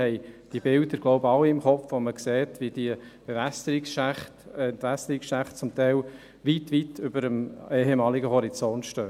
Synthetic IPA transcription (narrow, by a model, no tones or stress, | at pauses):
hɛɪd̥ibɪld̪əɾɡ̥loʊbəɑwiɪmχɔfʋoməkseːtʋid̥iəb̥eʋæstəɾiksʃæχtɛntʋæsəɾɪksʃæχtt͡sʊmt̪ɛɪl | ʋitʋitʰʏbəɾəmeːhemɑːliɡəɦɔɾit͡sɔntʃtøː